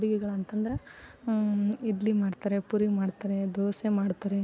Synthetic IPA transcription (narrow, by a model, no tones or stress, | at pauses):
ɽiɡɛɡɐɭɐnt̪ɐnd̪ɐɾe | id̪limaːɖt̪aɾepuɾimaːɖt̪aɾed̪oːsemaːɖt̪aɾe